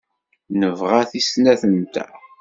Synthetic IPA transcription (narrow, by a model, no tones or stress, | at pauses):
nəvʁæθisnæθənt̪æ̰